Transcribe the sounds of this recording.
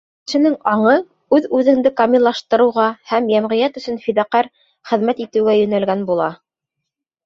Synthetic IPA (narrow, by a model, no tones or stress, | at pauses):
ʃɘ̆nɘŋɑɴɤ | ʉðʉðɘ̆ŋd̪ɘkɑmʲilˠːɑʃt̪ɤ̆ɾɤ̆wʁɑhæmjæmʁɘ̆jæt̪ɵ̆sɵnfid̪æqæɾ | χɘ̆ðmæt̪it̪ɘ̆wɡæjɵ̆nælɡænbulˠɑ